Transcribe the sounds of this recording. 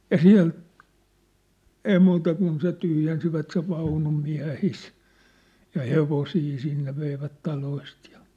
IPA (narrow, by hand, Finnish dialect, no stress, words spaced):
jɑ siæ̝l ei muːtɑ kun se tyhjensiʋæt seʋ ʋɑunum miæ̝his jɑ heʋosiː sinːe ʋeiʋæt tɑloist jɑ̥